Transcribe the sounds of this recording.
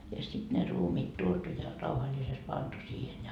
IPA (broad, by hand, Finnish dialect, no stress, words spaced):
jɑ sit ne ruːmiːt tuotu jɑ rɑuhɑlʲisest pɑntu siːhen jɑ